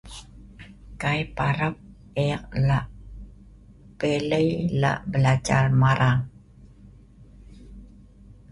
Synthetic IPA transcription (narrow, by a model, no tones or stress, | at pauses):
kajpaɾap̚ | eq̚laʔ | peləjla̰ʔbəlad͡ʒa̰rmaɾʔaŋ